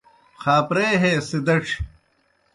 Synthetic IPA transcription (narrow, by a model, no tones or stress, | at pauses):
xaːpɾeːɦeːsid̪ɐʈ͡ʂʰ